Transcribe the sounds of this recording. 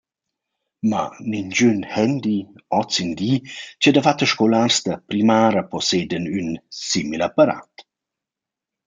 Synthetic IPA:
ma̰nind͡ʒynhɛnd̪iɔt͡sindiːt͡ʃɛdəfat̪əʃkolaːrsd̪əpɾimaːɾəpɔseːdənynsimilapaɾa̰t̪

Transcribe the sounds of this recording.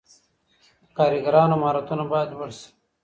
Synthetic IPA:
kɑːɾiɡɐɾɑːnoamaːɾat̪unabajad̪wɐɽs

